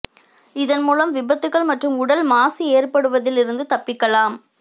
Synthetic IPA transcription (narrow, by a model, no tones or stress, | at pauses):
ɪðɐnmuːlɐmʋɪbɐt̪ːɯkːɐɭmɐʈrɯmʊɽɐlmaːsieːrpɐɽɯʋɐðɪlɪɾɯnd̪ɯt̪ɐpːɪkːɐlaːm